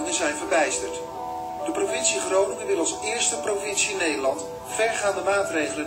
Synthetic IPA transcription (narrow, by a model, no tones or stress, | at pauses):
ɪŋəzɛjnvəɹbɛjstəɹt | d̥əprovɪnsiχrownɪŋɪmɪdəlˠsɪːɹstəprovɪnsiɪnːejdəlɑnt | fɛɹχaːndəmaːtrejχələn